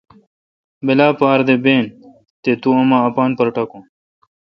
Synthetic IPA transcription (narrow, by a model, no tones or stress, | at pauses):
belaːpaːɾd̪ebeːn | t̪et̪uɐmaːpaːnpɐɾʈɐkũː